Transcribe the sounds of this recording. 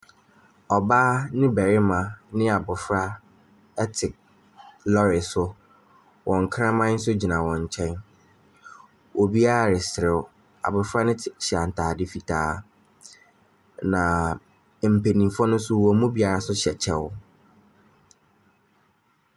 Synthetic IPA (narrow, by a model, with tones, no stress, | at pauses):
ɔ˨baː˦nɪ̃˦bɛ˨ɾɪ˦mã˨nɪ̃˦a˨bʊ˨fɾa˦ | ɛ˦tʰɪ˨k̚ | lɔ˦ɾɪ˨sʊ˦ | wʔɔ̃˨ŋ˨kʰɾã˦mã˦n̩˦sʊ˦d͡ʑi˨nã˨wɔ̃˨ɲ˨t͡ɕʰɛ̃˦n | wʔɔ˨bi˦a˦ɾa˨ɾɪ˨sɪ˨ɾɪ˨w | a̰˨bʊ˨fɾa˦nɪ̃˦˨t͡ɕʰa˨n̩˨tʰaː˨dɪ˦fi˨tʰaː˦ | nã˨ | m̩˨pe˨nĩ˨fɔ˦nʊ̃˦sʊ˦wɔ˨mũ˦bi˦a˨ɾa˨sʊ˦ɕɛ˨t͡ɕʰɛ˦wʊ˦